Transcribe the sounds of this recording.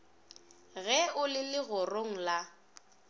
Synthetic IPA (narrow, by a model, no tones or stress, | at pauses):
ɣɛʊlɪlɪɣʊroŋ̩la